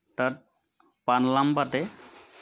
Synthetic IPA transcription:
tat̚ | panlambatɛ

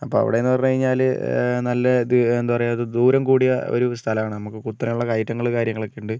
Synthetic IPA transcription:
ɐpːo̞ːɐ̰ʋḭɽeenːɨpɐrɐɲːukɐɻiɲːaːlnɐlːɐend̪upɐrɐjðɨd̪uːɾɐmkuːɽijɐo̰ɾust̪ʰɐlɐmaːɳɨnɐmukːɨkut̪ːɾɐmuɭːɐkɐjʈːɐŋːɐɭkaːɾjɐŋːɐɭo̞kːe̞juɳɖɨ

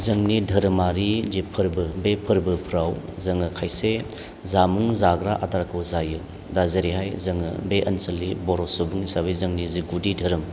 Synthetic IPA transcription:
zɐŋnidʱɐɾɯmaɾid͡ʒipʰɯɾbɯbepʰɯɾbɯpʰɾaw | zɐŋɯkʰajse | zamuŋzaɡɾaʔataɾakʰɯwzajɯ | dazɐɾiɦajzɐŋɯ̰beʔɐnsɐlːibɔɾosubuŋisabejzɐŋniziɡudidʱɐɾɯm

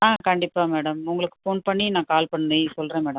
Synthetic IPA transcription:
nãːkɐɳɖɪpːaːmeːɽɐmʊŋɡɐɭɯkːɯ̥foːnpɐɳːinãːkaːlpɐɳːisɔlːɾẽːmeːɽɐm

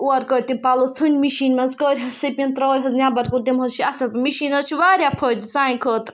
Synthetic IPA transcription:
uɐɾkəɾʲt̪impaːlot͡sʰɨnʲmiʃiːnʲmɐnzkəːɾʲɦɐsɐpʲint̪ɾɐːɾʲɦɐznʲabɐɾkunt̪imɦɐzt͡ʃʰiɐsɐpmiʃinɐzt͡ʃʰiʋaːɾʲjapʰəd̪ʲsaːĩkʰəːt̪

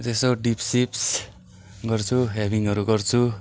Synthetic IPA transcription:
t̪esoɖipsips | ɡʌrt͡sʰuɦabiŋʌɾuɡʌrt͡sʰu

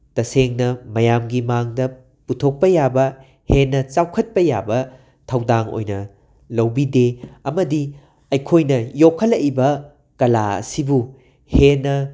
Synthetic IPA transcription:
tɐseŋnɐmɐjamɡimaŋdɐ | putʰok̚pɐjabɐ | henːɐt͡ʃawkʰɐt̚pɐja̰bɐ | tʰɐwdaŋo̰jnɐ̰ | lɐwbideɐmɐdi | ɐjkʰojnɐjokʰːɐlɐʔibɐ | kɐla̰ɐ̰sibu | henːɐ

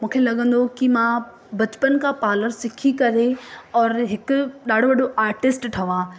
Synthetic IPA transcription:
mũːkʰelɐɠə̃nd̪okimã | bɐt͡ɕpənkʰãpaːləɾsɪkʰikɐɾeɔːɾɦɪkʊɗaːɽ̤ʱoʋɐɗoʔaːɾʈɪsʈʈʰɐʋãː

